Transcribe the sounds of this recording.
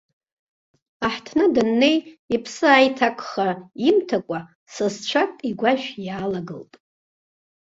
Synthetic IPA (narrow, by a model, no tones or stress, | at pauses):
aħtʰnɨdɨnːe̞jipʰsɨajtʰakʷʰʼχaimtʰakʷʼa | sɨzt͡ʃʷʰakʼiɡʷaʒᶣjaːlaɡɨ̰ltʼ